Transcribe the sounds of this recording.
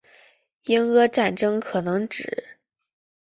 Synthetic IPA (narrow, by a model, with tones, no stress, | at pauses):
i˥ŋɤ˥ʈ͡ʂa˥˩nʈ͡ʂɤ˥ŋkʰɤ˨˩nɤ˧˥ŋʈ͡ʂɻ̩˨˩˦